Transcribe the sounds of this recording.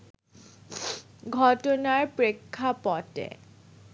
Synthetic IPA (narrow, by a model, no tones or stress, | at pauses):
ɡʱɔʈonaɾpɾekʰːapɔtḛ